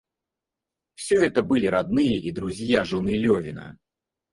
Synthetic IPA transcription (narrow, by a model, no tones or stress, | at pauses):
wsʲɔɣɛt̪ɐbɨlʲiɾad̪̚nɨjɐʔid̪ɾuzʲjaʐɨnɨlʲɔvʲinɐ̰